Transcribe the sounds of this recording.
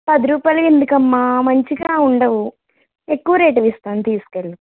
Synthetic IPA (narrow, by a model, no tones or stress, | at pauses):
pɐd̪iɾuːpaːjlɐkend̪ukɐmːaːmɐɲt͡ʃiɡaːuɳɖɐʋu | ekːuʋɐɾeːʈ̬ɐʋist̪aːnt̪iːsu̥keɭːu